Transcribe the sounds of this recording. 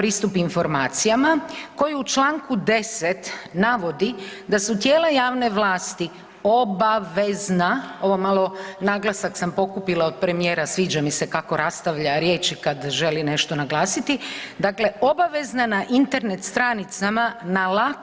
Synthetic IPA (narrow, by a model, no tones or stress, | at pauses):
pɾiːst̪upinfo̞ɾmaːt̪sijamako̞juut͡ʃlaːŋkud̪e̞set̪naʋo̞d̪id̪asut̪jeːlˠajaːʋne̞ʋlaːst̪i | o̞baʋeznao̞ʋomalˠo̞naɡlˠasaksampo̞kupilˠaod̪̚pɾe̞mije̞ːɾasʋiːd͡ʒamise̞kako̞ɾast̪aʋʎaɾje̞ːt͡ʃikad̪ʒe̞line̞ʃt̪o̞naɡlˠaːsit̪id̪akle̞o̞baʋe̞znanaʔint̪e̞ɾne̞t̪st̪ɾaːnit̪samanala